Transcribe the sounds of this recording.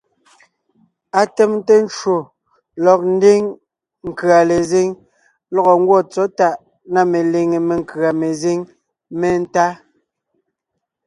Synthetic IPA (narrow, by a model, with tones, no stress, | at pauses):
a˦tɛ˦m˦te˦n˦t͡ʃwo˨ | lɔ˨k̚n̩˦de˦ŋ | ŋ̩˨kɰa˨le˨ze˦ŋ | lɔ˦ɣɔ˨ŋ̩˦ɡwɔ˦˨t͡sɔ˦ta˦˨ʔ | na˦me˨le˨ŋe˨me˨ŋ˨kɰa˨me˨ze˦ŋ | me˦n̩˦ta˦